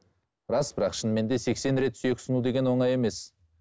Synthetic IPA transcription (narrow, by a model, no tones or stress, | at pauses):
bɪɾɑsbɪɾɑqʃənme̞nd̪e̞se̞kse̞nɾe̞t̪syjekʲsənud̪e̞ɡʲe̞nwo̞ɴɑje̞me̞s